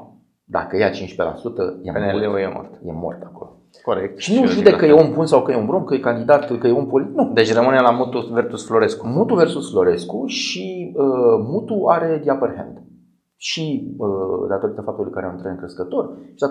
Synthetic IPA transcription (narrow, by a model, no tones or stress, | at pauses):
d̪a̰kəjat͡ʃint͡ʃʃpela̰sut̪əja̰peneleojemo̰rt̪jḛmo̰rt̪ako̞̰lo | koɾek̚t̪ʃinuʒud̪ekəjeombunsawkəjeombɾomkəjekand̪id̪at̪kəjeompolinud̪e̞t͡ʃrəmɨnelamut̪uversusflo̞ɾeskumut̪uve̞rsusflo̞ɾe̞skuʃiəmut̪uaɾe̞d̪iapərhḛnd̪ | ʃiəd̪at̪o̞ɾit̪əfap̚t̪ulijkəaɾeaunt̪ɾat̪ɨŋkɾeskət̪o̞rʃi̥d̪a